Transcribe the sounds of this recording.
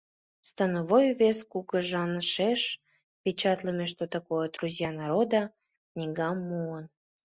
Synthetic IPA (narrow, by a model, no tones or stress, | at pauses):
st̪ɑnoβojβeskukə̆ʒɑnəʃeʃ | pʲet͡ɕɑt̪ləmʲeʃt̪ot̪ɑkojəd̪ruzʲjɑnɑɾod̪ɑ | knʲiɡɑmːuən